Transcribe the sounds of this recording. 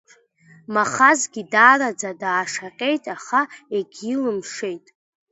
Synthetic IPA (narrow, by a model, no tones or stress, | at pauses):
maχazɡʲidaːrad͡zadaːʂaqʲʼe̞jtʼaχaeɡʲilɨmʂe̞jtʼ